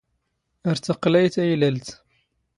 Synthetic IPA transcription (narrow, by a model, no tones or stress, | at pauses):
əɾt̪əqlæjt̪æjlælt̪